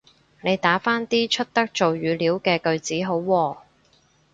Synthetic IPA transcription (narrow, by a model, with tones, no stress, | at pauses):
ne˨˧jt̪aː˨˥faː˥nt̪iː˥t͡ʃʰɵ˥t̚t̪ɐ˥k̚t͡so˨wjyː˨˧liː˨˥wkɛː˧kɵ˧ɥt͡siː˨˥ɦo˨˥wːɔː˧